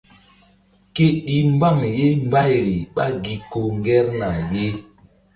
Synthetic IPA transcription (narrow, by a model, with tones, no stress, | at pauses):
ke˦ɗi˨m˦ba˦˨ŋje˦m˦ba˦jɾi˨ɓa̰˦ɡi˨ko˨ŋɡɛ˦ɾna˨je˦